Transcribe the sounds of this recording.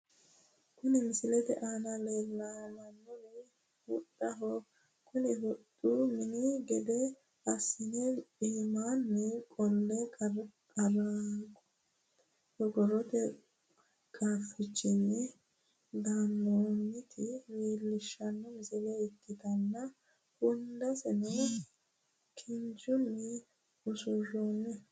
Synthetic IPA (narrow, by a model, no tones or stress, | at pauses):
kʊnɪmɪsɪlɛd̪ɛ̰ʔanɐleːlːamɐnːʊnɛ | hʊᶑʼɐɦɔ | kʰʊnɪhɔtʼːumɪnɪɡɛd̪ɛ | ɐsɪnɛiːmaːnːɛkʼɔlːɛkʼɐɾaɡɔ̥ | hɔɡɔrɔt̪ɛ | kʼaːfɪt͡ʃːɪnːɛ | d̪amːoːnːɪt̪ʰɪweːlːɪʃːɐnːɔmɪzɛlɛɪkːɪt̪ɐnːɐ | hʊnd̪ɐsɛnɔ | kʰɪnd͡ʒʊnːɪ | ʊsʊroːnːɛ